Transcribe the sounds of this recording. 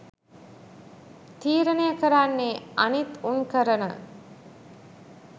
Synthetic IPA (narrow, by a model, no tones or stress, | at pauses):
t̪iːɾənejəkəɾanːeanit̪uŋkəɾənə